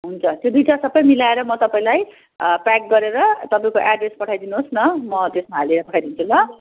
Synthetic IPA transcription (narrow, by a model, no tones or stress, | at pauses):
ɦunt͡sʰʌt̪jod̪ujʈʰasʌbʌjmilaeɾʌmʌt̪ʌpaĩlaj | pak̚ɡʌɾeɾʌt̪ʌpaĩkoʔaɖrespʌʈʰajd̪inuɦosnʌmʌd̪esmaɦalieɾʌpʌʈʰajd̪int͡sʰulʌ